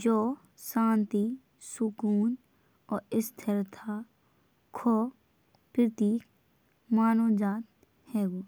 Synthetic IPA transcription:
d͡ʒoː | sãːnt̪i | sʊkuːn | ɔːɾɪst̪ʰəɾt̪ʰa | kʰoː | pɪɾt̪iːk | maːnoːd͡ʒaːt̪̚ | hɛːɡoː

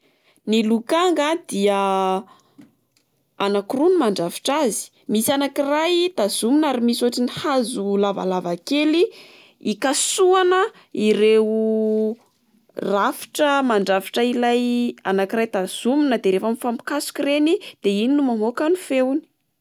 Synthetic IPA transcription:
nilukaŋɡad̪̥iə | anakurunimaɳɖ͡ʐafi̥ʈ͡ʂazi̥ | misianakirajt̪az̥uminaɾimisoaʈ͡ʂinihazulava̰lavakeli | ikasuanə | iɾeu | rafi̥ʈ͡ʂəmaɳɖ͡ʐavi̥ʈ͡ʂəilaja̰nakirajt̪az̥uminəd̪eɾefamifampi̥kasu̥kirenid̪̥eininumamokanufewni̥

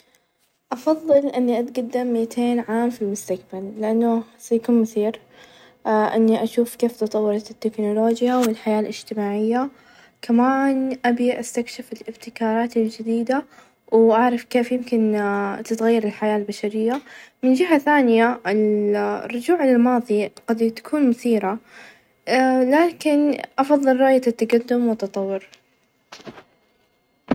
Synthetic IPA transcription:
ʔɑfɑðˤːɨlʔɪnːiʔat̪ɡad̪ːɪmːit̪ʰeːnʕaːmfilmʊst̪akbalːɪʔanːʊsajakuːnmʊθiːɾ | ʔɪnːiʔaʃuːfkeːft̪ɑt̪ˤɑwːɑɾˤɑt̪t̪ːɪknʊloːd͡ʒjawɪlħajaːlʔɪd͡ʒ̥t̪ɪmaːʕɪjːa | kʰamaːnʔabiʔast̪akʃɪfɪlʔɪbt̪ɪkɑːɾˤɑːt̪ɪld͡ʒɪd̪iːd̪a | wʔaʕɾˤɑfkeːfjɪmkɪnt̪ɪt̪ɣajːɑɾˤɪlħajaːlbaʃaɾɪjːamɪnd͡ʒɪɦaθaːnɪjaɪlrːʊd͡ʒuːʕlɪlmɑːðˤiɡ̥ɑd̪t̪ḁkʰuːnmʊθiːɾa | laːkɪnʔɑfɑðˤːɨlɾˤɑːʔjaat̪ːaɡad̪ːʊmwɪt̪ːɑt̪ˤɑwːʊɾ

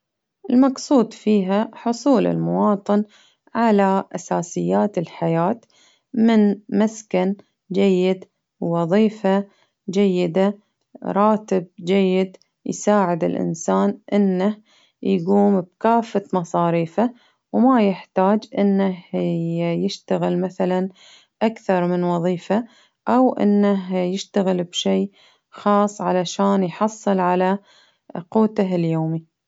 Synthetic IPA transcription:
ʔɪlmɑɡsˤuːd̪fiːɦaħʊsˤuːlɪ̰lmʊwɑːt̪ˤɨn | ʕalaʔasaːsɪjːaːt̪ɪlħajaːt̪ | mɪnmaskan | d͡ʒajːɪd̪ | wɑðˤiːfa | d͡ʒajːɪd̪a | ɾˤɑːt̪ɪb̚d͡ʒajːɪd̪ | jsaːʕɪd̪ɪ̰lʔɪ̰nsaːnʔɪnːah | jɡuːmb̚kaːfːat̪mɑsˤɑːɾiːfa | wmajɪħt̪aːd͡ʒʔɪnːaɦ | jɪʃt̪aɣɪlmaθalan | ʔakθɑɾˤmɪnwɑðˤiːfa | ʔawʔɪ̰nːaɦjɪʃt̪aɣɪlbʃiː | xɑːsˤːʕalaʃaːnjħɑsˤːɨlʕala | quːt̪aɦljoːmi

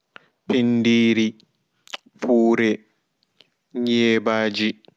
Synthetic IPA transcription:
pʰindiːɾi | fʰuːɾɛ | ɲɛːbaːd͡ʒi

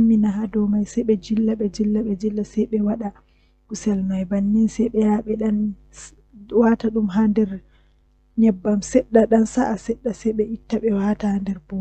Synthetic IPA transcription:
mːinaɦadɔmajsɛjɓɛd͡ʒilːaɓɛd͡ʒilːaɓɛd͡ʒilːasɛjɓɛwaɗa | ʔusɛlmajbanːinsɛjɓɛjaɓɛɗan | wataɗumɦandɛɾ | ɲɛbːamsɛɗːaɗansaʔasɛɗːasɛjɓɛʔitːaɓɛwatahandɛɾbo

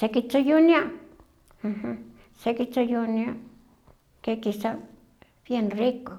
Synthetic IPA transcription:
sekit͡sojunĩã | hɨ̃hɨ̃ | sekit͡sojunĩã | kekisa | βjenriko

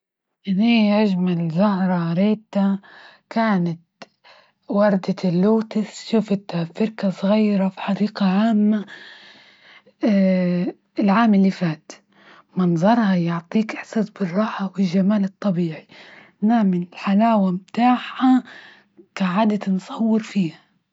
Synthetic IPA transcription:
ʔɪniːʔaʒmalzʊhɾˤɑɾeːt̪a | kaːnat̪ | wɑɾˤd̪alːuːt̪ɪsʃuːfɪt̪afɪɾkasˤɣajːɾˤɑfi̥ħɑdiːqaʕaːmːa | ɪlʕaːmɪlːifaːt̪ | mɑnzˤɑɾˤhɑjʊʕt̪ˤiːkʔɪħsɑsˤbɪrˤːɑːħawɪlʒamaːlɨt̪ˤːɑbiːʕi | naːmɪnɪlħalaːwamt̪aːħa | kaʕaːd̪ansˤɑwːɪɾfiːha

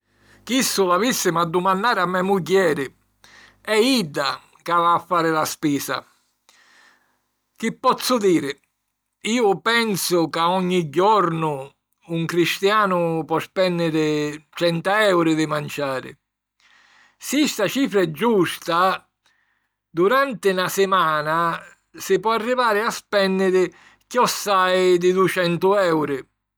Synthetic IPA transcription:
k̟isːʊlavisːɪmad̪ːumanːaːɾɪamːɛmuk̬jɛːɾɪ | ɛid̪ːa | kavaːfːaːɾɪlaspiːsa̰ | k̟ipːɔt̪sːʊd̪iːɾɪ | iːʊpɛnsʊkaɔɲːiɟːɔɾnʊː | ŋkɾist̪jaːnʊpwɔspɛnːɪɾɪt͡ʃɛnt̪aɛwɾɪd̪ɪmant͡ʃaːɾɪ̰ | sist̪at͡ʃiːfɾɛd͡ʒːust̪a | d̪uɾant̪ɪnasɪmaːna | sɪpwɔarːivaːɾɪaspɛnːɪɾɪ | kiɔsːajd̪ɪd̪uɪt͡ʃɛnt̪ʊɛwɾɪ

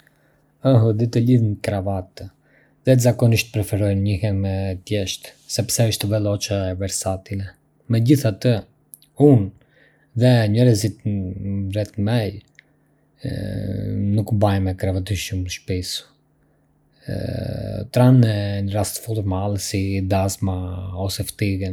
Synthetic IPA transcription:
ɔɦəd̪it̪əliðnkɾavat̪ | ðɛzakɔniʃt̪̚pɾɛfɛɾɔjnɲihɛmɛt̪jɛʃt̪sɛpsɛəʃt̪ɛvɛlˠɔt͡ʃavɛɾsat̪inɛ | mɛɟiθat̪ə | un | ðɛɲəɾɛzit̪ | rɛt̪mɛj | nukbajmɛkɾɛvat̪iʃumʃpisu̥ | t̪ɾanɛəɾast̪ə̥fulˠuɾmalˠɛsid̪azmaɔsɛft̪iɣɛn

